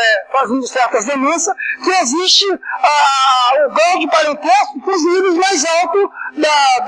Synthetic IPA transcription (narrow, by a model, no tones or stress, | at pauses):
ɛfaɐzẽd̪ʊst̪ɾat̪ɐzd̪emẽsɐkɪeziʃt͡ʃɪaʊɡɾawd͡ʒɪpaɾẽt̪esʊĩk̪õzivejzmajzawt̪ʊd̪ɐ